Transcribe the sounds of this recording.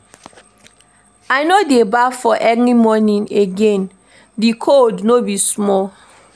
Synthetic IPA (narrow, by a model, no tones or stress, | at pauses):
ajnodebafɔʔɛnimɔnĩneɡẽn | dikʰodnobismɔl